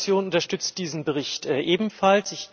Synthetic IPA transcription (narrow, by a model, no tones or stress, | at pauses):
t͡sjoːnʊntɐʃtʏt͡st̚d̥iːzn̩bəʁɪçtɛʔeːbm̩falsz̥ɪç